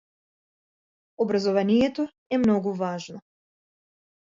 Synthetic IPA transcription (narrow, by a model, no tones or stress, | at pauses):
ɔbɾazɔvanijɛt̪ɔ | ɛmnɔɡuvaʒnɔ